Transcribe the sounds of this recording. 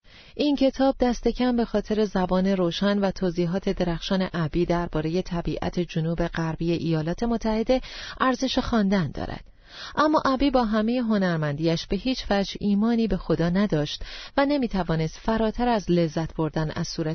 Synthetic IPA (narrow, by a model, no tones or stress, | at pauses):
ʔincʰe̞t̪ʰɒːb̚d̪æst̪e̞cʰæmbe̞xɒːt̪ʰe̞ɾe̞zæbɒːne̞ɾoːʃænvæt̪ʰoːziːɦɒːt̪ʰe̞d̪e̞ɾæxʃɒːne̞ʔæbiːd̪æɾbɒːɾe̞je̞t̪ʰæbiːʔæ̰t̪ʰe̞d͡ʒonuːbe̞ɣæɾbiːjeʔijɒːlɒːt̪ʰemot̪ʰːæhe̞d̪e̞ʔæɾze̞ʃexɒːnd̪ænd̪ɒ̰ːɾæ̰d̪̥ | ʔæmːɒ̰ːʔæbiːbɒːɦæme̞je̞ɦo̞næɾmænd̪iːjæʃb̥e̞ɦiːt͡ʃfæd͡ʒʔiːmɒːniːbe̞xo̞d̪ɒːnæd̪ɒːʃt̪væne̞miːt̪ʰævɒːne̞st̪fæɾɒːt̪ʰæɾæzle̞zːæt̪ʰb̥o̞ɾd̪ænæ̰z̥suːɾæ